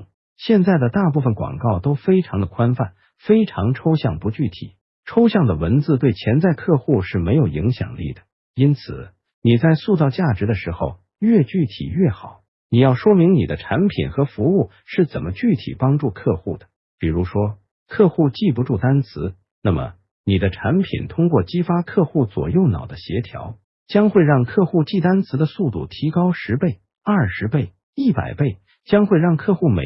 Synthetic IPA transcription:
ɕjɛ˥˧nt͡sa˥˩ɪd̪ə˩t̪a˥˧pu˥˩fə˨˩nkwɑ̰˨˩ŋkɑ˥˩ʊt̪o˥ʊfe˥ɪʈ͡ʂʰɑ˧˥ŋd̪ə˧kʰwa˥nfa˥˩n | fe˥ɪʈ͡ʂʰɑ˧˥ŋʈ͡ʂʰo˥ʊɕjɑ̰˥˩ŋpu˧˥t͡ɕy˥˩t̪ʰḭ˨˩˦ | ʈ͡ʂʰo˥ʊɕjɑ˥˩ŋd̪ə˩wə˧˥nt͡sɹ̩˥˧t̪we˥˩ɪt͡ɕʰjɛ˧˥nt͡sa˥˧ɪkʰɤ˥˧xu˥˧ʂɻ̩˥˩me˧˥ɪjo˨˩ʊḭ˧˥ŋɕjɑ̰˨˩ŋlḭ˥˩d̪ə̥˩ | i˥nt͡sʰɹ̩˨˩˦ | ni˨˩t͡sa˥˧ɪsu˥˧t͡sɑ˥˧ʊt͡ɕja˥˩ʈ͡ʂɻ̩˧˥d̪ə˧ʂɻ̩˧˥xo˧ʊ | ɥɛ˥˧t͡ɕy˥˩t̪ʰḭ˨˩ɥɛ˥˩xɑ˨˩˦ʊ | ni˨˩jɑ˥˩ʊʂwɔ˥mi˧˥ŋnḭ˨˩d̪ə˦ʈ͡ʂʰa˧˥npʰḭ˨˩nxɤ˧˥fu˧˥u˥˩ | ʂɻ̩˥˩t͡sə̰˨˩nmə˦t͡ɕy˥˩t̪ʰḭ˨˩pɑ˥ŋʈ͡ʂu˥˧kʰɤ˥˧xu˥˩d̪ə̥˩ | pi˨˩ɻu˧˥ʂwɔ˥ | kʰɤ˥˧xu˥˧t͡ɕi˥˩p̬u˧˥ʈ͡ʂu˥˩t̪a˥nt͡sʰɹ̩˧˥ | na˥˩mə̰˩ | ni˨˩d̪ə˦ʈ͡ʂʰa˧˥npʰḭ˨˩nt̪ʰʊ˥ŋkwɔ˥˩t͡ɕi˥fa˥kʰɤ˥˧xu˥˩t͡swɔ̰˨˩jo˥˩ʊnɑ̰˨˩ʊd̪ə˦ɕjɛ˧˥t̪ʰjɑ̰˧˥ʊ | t͡ɕjɑ˥ŋxwe˥˧ɪɻɑ˥˧ŋkʰɤ˥˧xu˥˧t͡ɕi˥˩t̪a˥nt͡sʰɹ̩˧˥d̪ə˧su˥˧t̪ṵ˥˩t̪ʰi˧˥kɑ˥ʊʂɻ̩˧˥pe˥˩ɪ | ɐ˞˥˩ʂɻ̩˧˥pe˥˩ɪ | i˥˩pa̰˨˩ɪpe˥˩ɪ | t͡ɕjɑ˥ŋxwe˥˧ɪɻɑ˥˧ŋkʰɤ˥˧xu˥˩mḛ˨˩

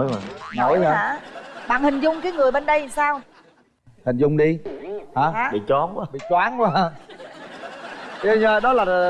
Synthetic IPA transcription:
jo˨˩jno˨˦ja˧˦˨ɓa̰ː˧˨nhï˨˩ŋ̟zʊ˧ŋ͡mkaː˨˦jŋɨ˨˩əjɓe˧nɗə˧jsaː˧w | hï˨˩ŋ̟zʊ˨˧˩ŋ͡mɗi˧ha˨˦˨ɓḭ˧˨t͡ɕwaː˨˦n˧ɓḭ˧˨t͡ɕwaː˨˦nː˧˦˧ | ə˧ɲəː˧ɗɔ˨˦laː˨˩˨

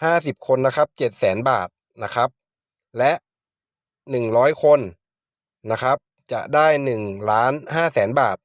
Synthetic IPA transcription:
haː˥˩si˨˩p̚kʰo˧nːa˦˥kʰa˦˥p̚t͡ɕe˨˩t̪̚sɛː˩˦nbaː˨˩t̪̚ | na˦˥kʰa˦˥p̚ | lɛ˦˥ʔ | nɯ˨˩ŋɾɔː˦˥jkʰo˧n | na˦˥kʰa˦˥p̚ | t͡ɕa̰˨˩ʔdaː˥˩jnɯ˨˩ŋlaː˦˥nhaː˥˩sɛː˩˦nbaː˨˩t̪̚

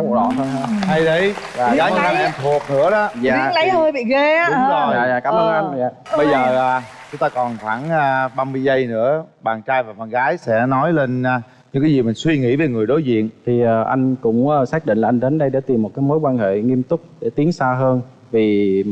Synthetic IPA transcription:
ɗɔ̰˧˨ə˧nː˧ha˧jɗə˧jvaː˨˩ɣaː˨˦˧a˧ʔɛ˧mt̪ʰu˨˩ək̚nɨ̰˧˥əɗɔ˨˦zaː˦˧˨lə˨˦hə˧˩jɓḭ˧˨ɣeː˧˦ɗʊ˨˦ŋ͡mɔ˨˩a̰ː˧˨jaː˧˨˩kaː˧˩mʔəː˧ŋ˧ʔa˧n˨za̰ː˧˨ɓə˧jzəː˨˩aː˨˩t͡ɕʊ˨˦ŋ͡mt̪aː˧kɔ˨˩nxwaː˧˩naː˧ɓaː˧mɨ˧əjzə˧jnɨ̰˧˥əɓaː˨˩nt͡ɕaː˧jvaː˨˩ɓaː˨˩nɣaː˨˦jsɛ̰˧˥nɔ˨˦jle˧naː˧˩ | ɲɨ̰˧˥ŋkaː˨˦jzi˨˩mi˨˩ŋ̟swi˧ŋḭ˧˥ve˨˩ŋɨ˨˩əjɗo˨˦jzḭ˧˨ənt̪ʰi˨˩ʔaː˨˩ʔa˧jŋ̟kʊ̰˧˥ŋ͡mʔaː˨˧˩saː˦˥k̚ɗḭ̈˧˨ŋlaː˨˩ʔa˧ŋ̟ɗe˨˦nɗə˧jɗa̰ː˧˥t̪i˨˩mːo˨˩t̚kaː˨˦jmo˨˦jkwaː˧nhḛ˧˨ŋi˧əmt̪ʊ˦˥k͡p̚ɗe˧˩t̪i˨˦əŋsaː˧ɦəː˧n | vi˨˩

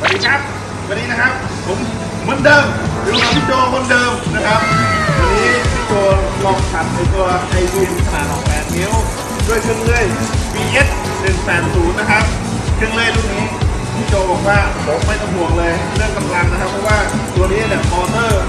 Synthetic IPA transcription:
a˧˩diː˧kʰa˦˥p̚ | aː˧˩nːiː˧na˦˥kʰa˦˥p̚ʰo˨˦m | mu˧˥˨ndɤː˧mlɯː˨˦˩t͡ɕɔː˧˩mo˧˥˨ndɤː˧mna˦˥kʰa˦˥p̚t̪ːt̪ɔ˧niː˦˥tʰiː˧˩koː˧lɔ˦˥˩k̚sʰa˨˩t̪̚aː˨˦k̪ʰu˧ɐʔa˧jbiː˧˩nʰ˧˩a˧haː˨˦nʔɔː˨˩ŋkaː˨˩n̚me˦˥˨w | du˥˩əjkʰɯ˧˥əŋlɯ˧˩əjpiː˧ʔe˦˥t̪̚ | nɯ˨˩ŋsaː˨˩nsuː˨˩˦nːa˦˧˩kʰa˦˥p̚ | kʰɯ˧əŋlɯ˧˩əjluː˧˩ŋniː˦˥ | t̪ʰiː˧˥˩t͡ɕa˧˩bɔː˨˩k̚waː˥˩bʰo˨˦mma˥˩jt̪ɔ˧˩ŋbu˨˩ək̚lɤː˧jlɯ˥˩ŋkʰa˨˧˩mla˧˩ŋ̚na˦˥kʰa˦˥pʰːɔ˦˧˥waː˥˩t̪u˧əniː˦˥˨lɛ˧˩pɔː˧sɤː˥˩

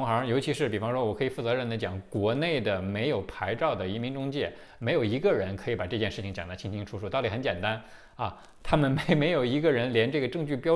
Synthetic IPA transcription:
ŋxə˞˧˥jo˧˥ʊt͡ɕʰi˧˥ʂɻ̩˥˩pi˨˩fɑ˥ŋʂwɔ˥wɔ˨˩kʰɤ˧˥i˨˩fu˥˩t͡sɤ˧˥ɻə˧˩nd̪ə˩t͡ɕjɑ˨˩˦ŋkwɔ˧˥ne˥˩ɪd̪ə˩me˧˥ɪjo˨˩ʊpʰa˧˥ɪʈ͡ʂɑ˥˩ʊd̪ə˩i˧˥mi˧˥ŋʈ͡ʂʊ˥ŋt͡ɕjɛ˥˩ | me˧˥ɪjo˨˩ʊi˧˥ɡə˧ɻə˧˥nkʰɤ˧˥i˧˥pa˨˩ʈ͡ʂɤ˥˧t͡ɕjɛ˥˧nʂɻ̩˥˩t͡ɕʰi˧˩ŋt͡ɕjɑ˨˩ŋtd̪ə˥˩t͡ɕʰi˥ŋt͡ɕʰi˥ŋʈ͡ʂʰu˥ʂu˥t̪ɑ˥˩i˨˩xə˧˥nt͡ɕjɛ˨˩nt̪a˥n | ɐ˥˧ | t̪ʰa˥mə˨nme˧˥ɪme˧˥ɪjo˨˩ʊi˧˥ɡə˧ɻə˧˥nljɛ˧˥nʈ͡ʂɤ˥˩ɡə˩ʈ͡ʂɤ˥˧ŋt͡ɕy˥˩pjɑ˥

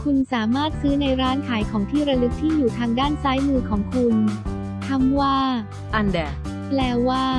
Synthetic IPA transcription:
kʰu˧nsaː˩˦maː˥˩t̪̚sɯː˦˥na˧jɾaː˦˥nkʰaː˩˦jkʰɔː˩˦ŋt̪ʰiː˥˩ɾa˧lɯ˦˥k̚t̪ʰiː˥˩juː˨˩t̪ʰaː˧ŋdaː˥˩nsaː˦˥jmɯː˧kʰɔː˩˦ŋkʰu˧n | k̪ʰa˧˥mwaː˥˩ | ʔa˧ndɛː˨˩ | plɛː˧˥waː˥˩

